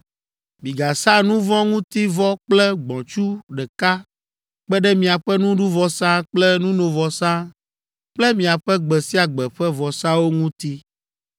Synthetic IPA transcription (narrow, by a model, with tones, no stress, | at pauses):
mĩ˨ɡa˨sã˦nũ˦vɔ̃˦ŋũ˦t̪i˦vɔ˦k͡plɛ˦ɡ͡bɔ̃˨t͡ʃu˦ɖɛ˨ka˦ | k͡pɛ˦ɖɛ˦mĩ˨a˨ɸɛ˦nũ˦ɖu˦vɔ˦sã˦k͡plɛ˦nũ˦nõ˨vɔ˨sã˦ | k͡plɛ˦mĩ˨a˨ɸɛ˦ɡ͡bɛ˨si˦a˨ɡ͡bɛ˨ɸɛ˦vɔ˨sã˦wo˦ŋũ˦t̪i˦